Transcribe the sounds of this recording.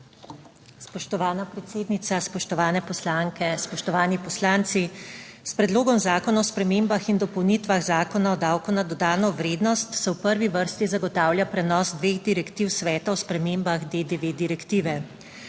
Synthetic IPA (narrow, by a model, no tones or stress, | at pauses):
spɔʃt̪ɔʋaːnapɾɛt̪seːd̪nit̪saspɔʃt̪ɔʋaːnɛpɔslaːŋkɛspɔʃt̪ɔʋaːnipɔslaːnt̪sispɾɛd̪loːɡɔmzaːkɔnaɔspɾɛmeːmbaxind̪ɔpɔwnit̪ʋaɣzaːkɔnaɔd̪aːwkunad̪ɔd̪aːnɔʋɾeːd̪nɔst̪sɛwpəɾʋiʋəɾst̪izaɡɔt̪aːwljapɾɛnɔsd̪ʋeːɣd̪iɾɛkt̪iwsʋɛːt̪aɔspɾɛmeːmbaɣd̪eːd̪eʋed̪iɾɛkt̪iːʋɛ